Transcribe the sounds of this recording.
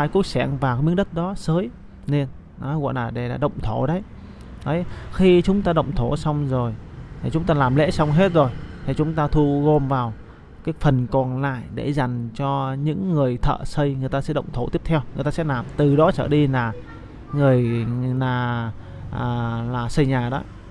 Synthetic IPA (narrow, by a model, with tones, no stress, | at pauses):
aː˧jku˦˥ək̚sɛ˧˩ŋvaː˨˩wɨ̰˧˥ɗə˦˥t̚ɗɔ˨˦səː˨˦j | ne˧n | nɔ˨˦wa̰˧˨nlaː˨˩ɗe˧˩la̰ː˨˩ɗə̰˧˨wŋ͡mt̪ʰo˧˩ɗə˨˦j | ʔə˨˦jxi˧t͡ɕʊ˨˦ŋ͡mt̪aː˧ɗə̰˧˨wŋ͡mt̪ʰo˧˩sa˧wŋ͡mzo˨˩jt̪ʰi˨˩t͡ɕʊ˨˦ŋ͡mt̪aː˧laː˨˩mlḛ˧˥sa˧wŋ͡mɦe˦˥t̚zo˨˩jt̪ʰi˨˩t͡ɕʊ˨˦ŋ͡mt̪aː˧t̪ʰu˧ɣo˧mvaː˨˩w | kaː˨˦jfə˨˩nkɔ˨˩nla̰ː˧˨jɗe˧˩za˨˩jŋ̟t͡ɕɔ˧ɲɨ̰˧˥ŋːɨ˨˩əjt̪ʰə̰ː˧˨sə˧jŋɨ˨˩jt̪aː˧ɛ̰˧˥ɗə̰˧˨wŋ͡mt̪ʰo˧˩˦t̪i˦˥ət̪ʰɛ˧wŋɨ˨˩jt̪aː˧sɛ̰˧˥laː˨˩mt̪ɨ˨˩ɗɔ˨˦t͡ɕəː˧˩ɗi˧laː˨˩ | ŋɨ˨˩əjnaː˨˩ | ʔəː˨˩laː˨˩sə˧jɲaː˨˩ɗɔ̰˨˦